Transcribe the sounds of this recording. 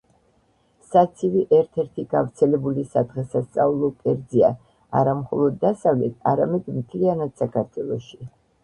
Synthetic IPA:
sat̪sʰiviʔɛɾt̪ʰɛɾt̪ʰiɡavɾt̪sʰɛlɛbulisad̪ʁɛsast̪sʼaulˠɔkʼɛɾd̪zia̰ | aɾamχɔlˠɔd̪ːasavlɛt̪ʰa̰ɾamɛd̪mt̪ʰlianad̪̥sakʰaɾt̪ʰwɛlˠɔʃi

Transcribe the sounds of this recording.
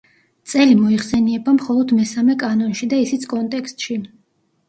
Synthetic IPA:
t̪sʼɛlimɔiχsɛniɛbamχɔlˠɔd̪mɛsamɛkʼanɔnʃid̪aisit̪sʰkʼɔnt̪ʼɛkst̪ʼʃi

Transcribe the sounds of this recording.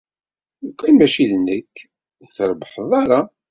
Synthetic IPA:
kʷːænmæʃiðnːəkː | θəɾˤbəħəðˤɑɾˤɑ

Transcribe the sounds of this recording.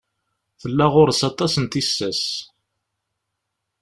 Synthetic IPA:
θəlːæʁʊɾsɑt̪ˤɑsənt̪isːæs

